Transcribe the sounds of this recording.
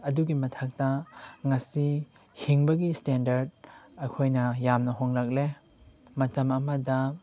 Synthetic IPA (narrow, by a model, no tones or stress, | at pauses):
ɐduɡimɐtʰak̚tɐŋɐsi | hiŋbɐɡistendɐɾd̚ɐkʰojnɐjamnɐɦoŋlak̚le | mɐtɐmɐmɐdɐ